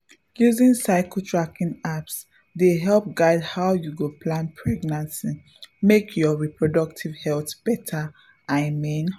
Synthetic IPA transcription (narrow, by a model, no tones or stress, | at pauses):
juzĩnsaɪkətʰɹakĩŋaps | deɦɛlˠp̚ɡaɪdhaʊjuɡopʰlãnpʰɹɛɡnãnsi | mekʰjɔɹipɹɔdɔk̚tʰivhɛltb̥ɛtʰa | aɪmĩn